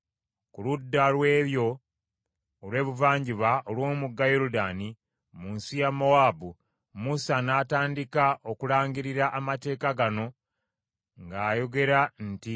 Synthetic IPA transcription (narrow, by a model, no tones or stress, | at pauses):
kuludːalwe̞ːβjo̞ | lwe̞ːβuvaːɲɟiβaʔolwo̞ːmuɡːajoɾudaːni | muːnsijamo̞waːbu | musanaːtaːndikaʔo̞kulaːɲɟiɾiɾaʔamate̞ːkaɡano̞ | ŋɡaːjo̞ɡe̞ɾanti